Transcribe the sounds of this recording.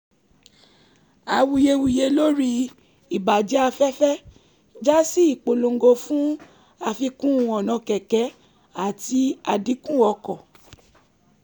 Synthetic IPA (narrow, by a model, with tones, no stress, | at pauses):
a˧˨wu˧je˧wu˧je˧lo˦ɾi˧ | i˨ba˨d͡ʒɛ˦a˧fɛ˦fɛ˦ | d͡ʒa˦si˦i˦˨k͡po˨lo˧ŋ˦ɡo˧fũ˦ | a˧fi˧kũ˦˧˨ɔ˨nɔ̃˧kɛ˨kɛ˨˦ | a˦˨ti˧˦a˧di˨˦kũ˦ɔ˧kɔ˨